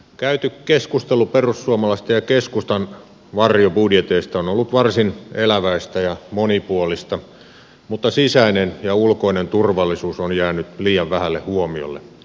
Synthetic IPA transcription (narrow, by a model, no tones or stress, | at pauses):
kæyt̪ykkeskust̪eluperusːuɑmɑlɑst̪ɑjɑkeskust̪ɑn | ʋɑrjobudjet̪eist̪ɑonolːut̪ʋɑrsinelæʋæist̪æjɑmonipuolist̪ɑ | mut̪ːɑsisæinenjɑulkoinent̪urʋɑlːˑisuːsonjæːnyt̪liːjɑʋʋæhælːehuomio̰lːḛ